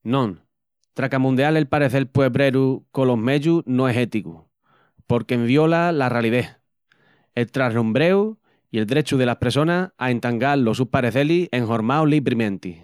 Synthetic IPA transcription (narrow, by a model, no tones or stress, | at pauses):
nõŋ | t̪ɾakamũnd̪eale̞lpaɾeθe̞lpweβɾeɾuko̞lo̞ɦme̞ʎunoeɦe̞t̪ikṵ | po̞ɾkemβjo̞lalaraliðe̞h | e̞lt̪ɾaɦnũmbɾe̞u | ie̞ld̪ɾe̞t͡ʃuð̞e̞lahpɾeso̞naae̞nt̪aŋɡalo̞suhpaɾeθe̞lie̞ŋɦo̞ɾmawliβɾimẽ̞nt̪i